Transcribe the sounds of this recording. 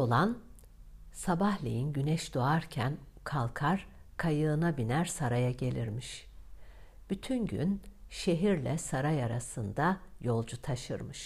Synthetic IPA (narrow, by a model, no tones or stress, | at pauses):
o̞lˠan | sabahlʲḛjinɟynɛʃd̪oaɾcʰænkʰalˠkʰaɾ̥kʰajɯːnabinæɾsaɾajaɟe̞lʲiɾmiʃ | b̥yt̪ʰynɟy̰nʃe̞ɦiɾlʲɛsaɾajaɾasɯnd̪ajo̞lˠd͡ʒut̪ʰaʃɯ̰ɾmɯʃ